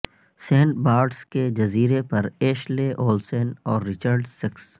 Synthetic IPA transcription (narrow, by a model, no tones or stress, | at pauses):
sẽːɳʈ̚baːɾɖsked͡ʒɐziːɾepɐɾeːʃleʔoːlseːnɔːɾːɪt͡ʃəɾɖsɪks